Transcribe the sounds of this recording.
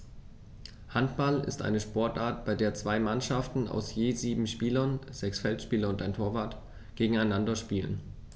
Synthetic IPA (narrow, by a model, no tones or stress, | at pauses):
hantb̥alɪ̰stʔa̰ɪnəʃpɔɐtʔaːɐtb̥aɪdeːɐt͡sv̥aɪmanʃaftn̩a̰ʊsjeːziːbm̩ʃpiːlɐnz̥ɛksfɛltʃpiːlɐʊntaɪntʰoːɐvaɐt | ɡ̥eːɡŋ̩aɪnandɐʃpiːlə̰n